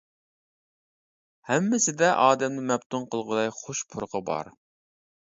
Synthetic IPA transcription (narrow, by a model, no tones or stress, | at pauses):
hɛmːɪsɪd̪ɛʔɑːd̪ɛmnɪmɛpt̪unqʰəlˠʁəd̪ɑjχoʃpʰʊɾqəbɑ̰ɾ